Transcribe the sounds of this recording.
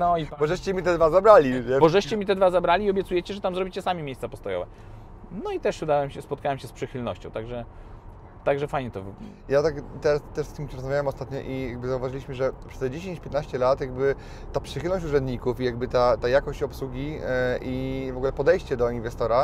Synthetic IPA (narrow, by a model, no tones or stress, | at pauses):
nɔipbɔʐɛɕt͡ɕɛmʲit̪ɛd̪vazabɾalʲiɲɛbɔʐɛɕt͡ɕɛmʲit̪ɛd̪vazabɾalʲiːɔbʲjɛt̪sujɛt͡ɕɛʐɛt̪amzɾɔbʲi̥t͡ɕɛsamʲimʲejst̪sapɔst̪ɔjɔ̰vɛ̰ | nɔit̪ɛʂud̪awɛmɕɛspɔt̪kawɛmɕɛspʂɘxɘlnɔ̰ɕt͡ɕɔ̃w̃t̪aɡʐɛ | t̪aɡʐɛfajɲɛt̪ɔv | jat̪akt̪ɛɾast̪ːɛʂst̪ɘmt͡ɕɛɾɔzmavʲjawɛmɔst̪at̪ɲɔ̰ʔijaɡ̚bɘzauvaʐɨlʲiɕmɘʐɛpʂɛ̥st̪ɛd͡ʑeɕeɲt͡ɕpʲjɛt̪naɕt͡ɕɛlat̪jaɡbɘ | t̪apʂɨxɘlnɔɕ̬t͡ɕuʐɛ̃nd̪ɲikufijaɡ̚bɘt̪at̪ajakɔɕt͡ɕɔpswuɡʲiivɔɡulɛpɔd̪ɛjɕt͡ɕɛd̪ɔinvɛst̪ɔɾa